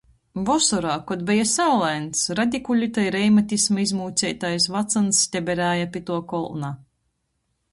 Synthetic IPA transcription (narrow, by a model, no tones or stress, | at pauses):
vɔsɔɾaːkɔd̪bɛjasawlˠɛjnt̪sɾad̪ʲikulʲit̪ajɾɛjmat̪ʲismaizmuːt̪sʲɛjt̪ajs̬vat̪sansːt̪ʲɛbʲɛɾæːjapʲit̪uɔkɔlˠna